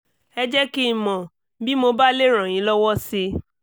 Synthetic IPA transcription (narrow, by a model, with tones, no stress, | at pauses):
ɛ˧d͡ʒɛ˦ki˦˨mɔ̃˨ | bi˦mo˧ba˦le˦ɾ̃ã˨j̃ĩ˨˦lɔ˦wɔ˦si˧